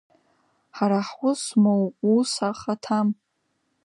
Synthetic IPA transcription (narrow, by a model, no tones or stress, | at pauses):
ħaɾaħwʷʊsmowusaχatʰam